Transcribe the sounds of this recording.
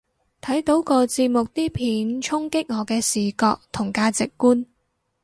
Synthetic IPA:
t̪ʰɐ˨˥jt̪o˨˥wkɔː˧t͡siː˧p̚mʊ˨k̚t̪iː˥pʰiː˨˥nt͡ʃʰʊ˥ŋkɪ˥k̚ŋɔː˨˧kɛː˧siː˨˩kɔː˧k̚t̪ʰʊ˨˩ŋkaː˧t͡sɪ˨kːuː˥n

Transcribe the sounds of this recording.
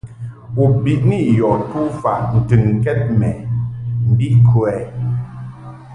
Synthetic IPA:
u˨bi˨ʔni˦˨jɔ˨tu˦fa˨n̩˨tɨ˨n˨kɛ˦t̚mɛ˨m̩˨bi˦kʰu˨ɛ˨

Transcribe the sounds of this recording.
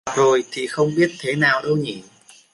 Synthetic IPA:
t̚zo˨˩jt̪ʰi˨˩xə˧wŋ͡mɓi˦˥ət̚t̪ʰe˨˦naː˨˩wɗə˧wɲḭ˧˨

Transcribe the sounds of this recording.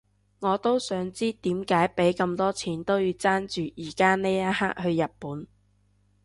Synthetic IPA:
ŋɔː˨˧t̪o˥wsœː˨˥ŋt͡siː˥t̪iː˨˥mkaː˨˥jpe˨˥jkɐ˧mt̪ɔː˥t͡sʰiː˨˥nt̪o˥wjiː˧wt͡saː˥nt͡ʃyː˨jiː˨˩kaː˥ne˥a˥haː˥k̚hɵ˧ɥjɐ˨t̚puː˨˥n

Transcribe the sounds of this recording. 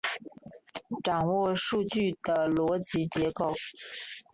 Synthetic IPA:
ʈ͡ʂɑ˨˩ŋwɔ˥˧ʂu˥˧t͡ɕy˥˩d̪ə˩lwɔ˧˥t͡ɕi˧˥t͡ɕjɛ˧˥ko˥˨˩ʊ

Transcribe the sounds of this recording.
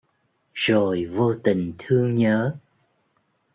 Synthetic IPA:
zo˨˩jvo˧t̪ï˨˩ŋ̟t̪ʰɨ˧əŋɲəː˨˦

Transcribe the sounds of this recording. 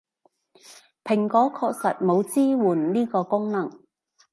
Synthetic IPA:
pʰɪ˨˩ŋkɔː˨˥kʰɔː˧k̚sɐ˨t̚mo˨˧wt͡siː˥wuː˨˩nniː˥kɔː˧kʊ˥ŋnɐ˨˩ŋ

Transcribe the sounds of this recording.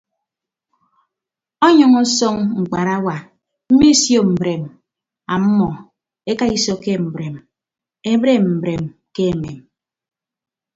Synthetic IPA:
ɔ˦ɲɔ˦ŋɔ˦sɔ˦ŋŋ͡m̩˨k͡pa˨ɾa˦wa˨ | m̩˦mi˦sjo˦m̩˨bɾe˨m | a˨m̩˦mɔ˨ | e˦ka˦i˦sɔ˦ke˦m̩˨bɾe˨m | e˦bɾe˦m̩˨bɾe˨mke˦e˨me˨m

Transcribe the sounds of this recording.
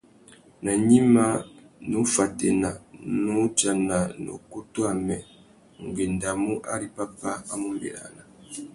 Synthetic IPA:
na˨ɲi˦ma˦nu˦fa˨tɛ˨na˨nu˦t͡ʃa˨na˨no̰˨ko˦to˦a˦˨mɛ˨ | ŋ˨ɡe˨nda˨mu˦ʔa̰˦ɾi˨pa˦pa˦a˦mu˦mbḛ˨ɾa̰˨na˨

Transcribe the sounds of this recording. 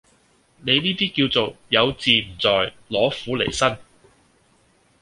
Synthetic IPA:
ne˨˧jniː˥t̪iː˥kiː˧wt͡so˨wjɐ˨˧wt͡siː˨˧m̩˨˩t͡sɔː˨j | lɔː˨˥fuː˨˥le˨˩jsɐ˥n

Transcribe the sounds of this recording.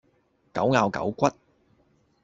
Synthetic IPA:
kɐ˨˥wŋaː˨˧wkɐ̰˨˥wkʷɐ˥t̚

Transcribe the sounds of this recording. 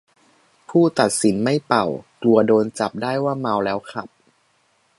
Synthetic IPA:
pʰuː˥˩t̪a˨˩t̪̚si˩˦nma˥˩jpa˨˩wklu˧ɐdoː˧nt͡ɕa˨˩p̚daː˥˩jwaː˥˩ma˧wlɛː˦˥wkʰa̰˧˩p̚

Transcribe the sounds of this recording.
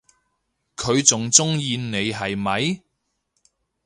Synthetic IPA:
kʰɵ˨˧ɥt͡sʊ˨ŋt͡sʊ˥ŋjiː˧nne˨˧jɦɐ˨jmɐ˨˧j

